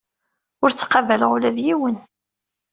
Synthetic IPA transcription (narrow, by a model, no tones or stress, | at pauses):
ʊɾt͡sːqɑvæləʁulæðjiwən